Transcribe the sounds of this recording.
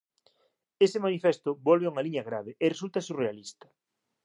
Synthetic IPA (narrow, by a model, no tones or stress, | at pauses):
esɪmanifest̪ʊbɔlβeuŋaliɲɐɣɾaβeʔɪresult̪ɐsurealist̪ɐ̥